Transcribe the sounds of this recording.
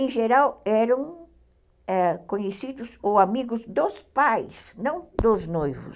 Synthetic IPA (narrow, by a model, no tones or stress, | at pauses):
ẽʒeɾawɛɾɐ̃w̃ | ɛkõɲesid̪ʊzowamiɡʊzd̪ospajsnɐ̃w̃d̪ʊznojvʊ̰s